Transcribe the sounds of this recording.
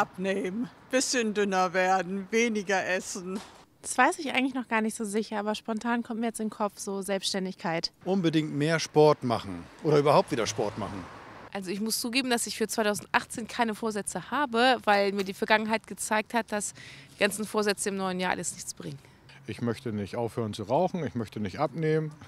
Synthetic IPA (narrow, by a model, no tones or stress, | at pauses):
ʔapneːməm | b̥ɪsçəndʏnɐveːɐdn̩veːnɪɡɐʔɛsn̩d̥asv̥aɪsɪçʔa̰ɪɡŋtlɪçnɔχɡ̥aːɐnɪçtz̥oːzɪçɐʔaːbɐʃpɔntʰaːnkʰɔmtmiːɐjɛt͡sɪnkʰɔp͡fz̥oːzɛlpsʃtɛndɪçkʰaɪtʔʊnbədɪŋtmeːɐʃpɔɐtma̰χn̩ʔoːɾɐyːbɐhaʊp̚tv̥iːdɐʃpɔɐtma̰χn̩ʔalzoɪçmʊst͡suːɡeːbm̩dasɪçfyːɐt͡sv̥aɪtʰaʊzn̩tʔaχt͡seːnkʰaɪnəfoːɐzɛt͡səhaːbəvaɪlmiːɐdiːfɛɐɡaŋənɦaɪtɡ̥ət͡saɪk̚that̚d̥asd̥iːɡ̥ant͡sn̩foːɐzɛt͡səɪmnɔʏənjaːɐʔa̰ləsnɪçt͡sb̥ʁɪŋən | ʔɪçmœçtənɪçtʔaʊfhøːʁənt͡suʁaʊxn̩ɪçmœçtənɪçtʔapneːmən